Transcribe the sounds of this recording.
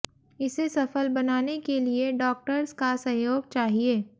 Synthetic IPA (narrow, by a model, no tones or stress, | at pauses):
ɪsesɐfəlbɐnaːnekelieɖɔːk̚ʈəɾzkasɐ̃joːɡ̚t͡ʃaːɦieː